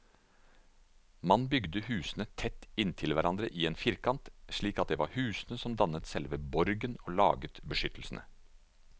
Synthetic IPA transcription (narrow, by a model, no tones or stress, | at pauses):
mɑnbʏɡd̪əhʉːsnət̪ʰɛt̪ːɪnt̪ʰɪlʋæɾɑnd̪ɾəʔiːeːnfɪɾkɑnt̪ʂɭiːkɑt̪̚d̪eːʋɑ̰ɾhʉːsnəsɔmd̪ɑnət̪sɛlʋəbɔɾɡənoːlɑ̰ːɡət̪bəʃʏt̪ʰəl̩snʔə̰